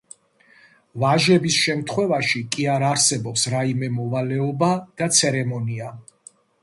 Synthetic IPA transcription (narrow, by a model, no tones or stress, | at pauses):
vaʒɛbisʃɛmt̪ʰχwɛvaʃikʼiaɾaɾsɛbɔpsɾaimɛmɔvalɛɔbad̪̥at̪sʰɛɾɛmɔnia